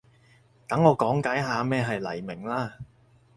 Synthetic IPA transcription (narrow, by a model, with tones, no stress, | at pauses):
t̪ɐ˨˥ŋɔː˨˧kɔː˨˥ŋkaː˨˥jɦaː˨˧mɛː˥ɦɐ˨jlɐ˨˩jmɪ˨˩ŋlaː˥